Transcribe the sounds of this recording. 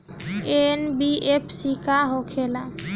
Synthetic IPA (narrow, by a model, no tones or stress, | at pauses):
enbiepʰsikaɦokʰela